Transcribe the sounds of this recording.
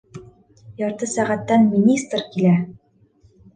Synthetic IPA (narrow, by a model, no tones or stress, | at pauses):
jɑɾt̪ɤsæʁæt̪ːænmʲinʲist̪rkilæ